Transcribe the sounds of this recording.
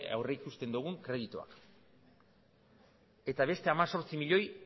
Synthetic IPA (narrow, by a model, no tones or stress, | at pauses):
a̰wreikust̪e̞nd̪uɣ̞uŋkɾe̞ð̞it̪ua̰k | e̞t̪aβ̞e̞st̪e̞amaso̞ɾt͡simiʎo̞j